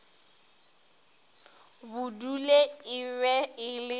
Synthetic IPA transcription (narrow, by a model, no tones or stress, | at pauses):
bʊduleɪwɛɪlɪ